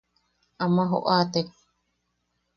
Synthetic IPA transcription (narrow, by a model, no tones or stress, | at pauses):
amaɦo̰ʔaːt̪ek